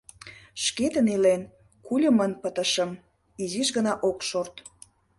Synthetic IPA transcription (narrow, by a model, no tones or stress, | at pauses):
ʃket̪ənilen | kulʲəmənpət̪əʃəm | iziʃɣənɑʔokʃort̪